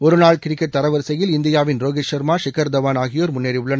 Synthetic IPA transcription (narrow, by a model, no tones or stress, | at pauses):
ɔɾɯnaːɭkɪɾɪkːɐt̪ːɐɾɐʋɐɾsɐjɪlɪnd̪ɪjaːʋɪnɾoːɣɪʂɐɾmaːʂɪkɐɾd̪ɐʋaːnaːɣɪjoːɾmʊnːeːɾiʊɭːɐn